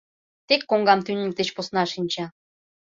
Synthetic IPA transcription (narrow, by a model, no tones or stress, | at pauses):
t̪ekːoŋɡɑmt̪ynʲik̚d̪et͡ɕposnɑʃinʲt͡ɕɑ